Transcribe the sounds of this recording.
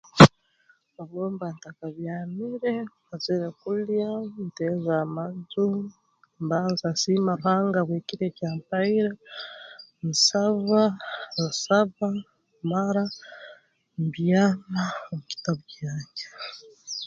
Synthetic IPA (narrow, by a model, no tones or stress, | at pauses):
aβoːmbantakaβjaːmiɾe | azeɾekuljantezamazu | mbaːnzasimauhaːŋɡaβweːciɾecaːmpaiɾa | musaβamusaβa | maɾa | mbjamaomuki̥taβucaːɲɟe